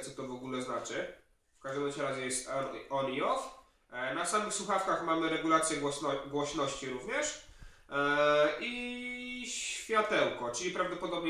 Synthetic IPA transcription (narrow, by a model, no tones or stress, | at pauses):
t̪sɔt̪ɔvɔɡulɛznat͡ʂɘ | fkaʐd̪ɛmɛt͡ɕɛɾazɛjɛst̪ɔɔnʲiɔf | nasamɘxswuxafkaxmamɘɾɛɡulat̪sʲjɛɡɔɔɡwɔɕnɔɕt͡ɕiɾuvɲɛʂ | ʔi | ɕfʲjat̪ɛwkɔt͡ʂɘlʲipɾavd̪ɔpɔd̪ɔbɲɛ